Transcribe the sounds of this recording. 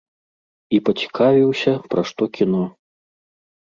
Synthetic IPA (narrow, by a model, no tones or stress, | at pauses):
ipɐt͡sʲi̥kʰavʲiwsʲɐpɾʔaʂt̪ɔkʲinɔ